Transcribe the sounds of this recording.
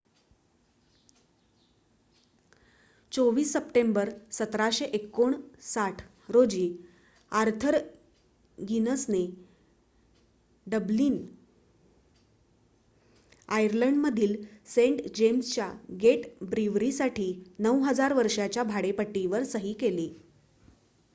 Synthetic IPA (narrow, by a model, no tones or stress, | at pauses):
t͡soʋiːsːəpʈembəɾsət̪ɾaɕeʔekːoɳsaʈʰ | ɾod͡ʑiː | aɾt̪ʰəɾ | ɡinəsne | ɖəbliːn | ajəɾləɳɖməd̪ʱiːlseɳʈd͡ʑemst͡ɕja̰ɡeʈbɾiʋɾisaʈʰiːnəwɦəd͡zaɾʋəɾʂat͡ɕjabʱaɽepəʈːiʋəɾsəɦiːkeli